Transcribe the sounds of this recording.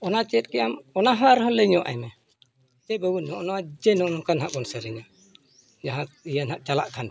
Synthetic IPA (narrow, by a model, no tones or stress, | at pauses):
ɔnat͡ʃɛɛt̪̚kɛjamɔnaɦaɾɦɔlɛɲɔʔa̰jmɛ | d͡ʒɛbəwunɔʔɔnaad͡ʒɛnɔnɔkʰanɦaʔɡɔnsaɾɛɲa | d͡ʒaɦãijanhaʔ̚t͡ʃalaʔkʰan